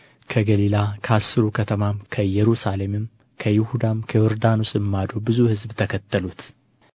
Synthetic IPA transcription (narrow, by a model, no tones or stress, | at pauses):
kʰəɡəlilakʰəasːɨɾukʰət̪ʰəmamkʰəjːɛɾusale̞mɨm | kʰəjɪhud̪amkʰəwɔɾd̪anusʼɨmːad̪obɨzuhɨzbt̪ʰəkʰət̪ːəlut̪